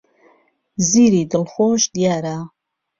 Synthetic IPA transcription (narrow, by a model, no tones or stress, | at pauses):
ziːɾiːd̪ɨlχoːʃd̪ijaːɾa